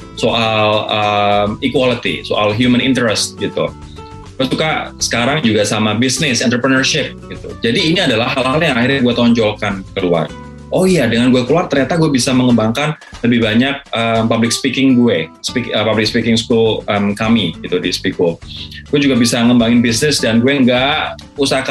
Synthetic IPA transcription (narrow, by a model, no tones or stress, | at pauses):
soʔaləmikwalit̪ḭsoʔalɦjumənint̪əɾɛst̪̚ɡit̪ṵ | ɡansukasə̥kaɾaŋd͡ʒuɡasamabisnɪsɛnt̪ɾəpɾənərʃɪp̚ɡit̪ṵd͡ʒadiːniadalahɦalaljaŋahirɲaɡuɛt̪ɔɲd͡ʒɔlkankəlua̰r | ʔojadəŋanɡuɛkəluart̪ərɲat̪aɡuɛbisaməŋəmbaŋkan | ləbɪhbaɲak̚əmpablɪkspikɪŋɡuɛspikəpablɪkspikɪŋskulʔəmkamiɡit̪udispikolɡ̥uɛd͡ʒuɡabisaŋəmbaŋɪnbisnɪsdanɡuɛŋɡa | usaka